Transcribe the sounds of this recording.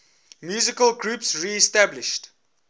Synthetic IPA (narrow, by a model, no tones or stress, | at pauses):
mjuːzɪkəlɡɹuːpsɹiɛstablɪʃt